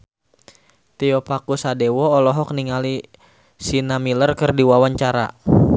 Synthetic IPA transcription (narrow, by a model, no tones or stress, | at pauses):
t̪iɔpakusadewɔːlɔɦɔk̚niŋali | sinamilərkərdiwawaɲt͡ʃaɾa̰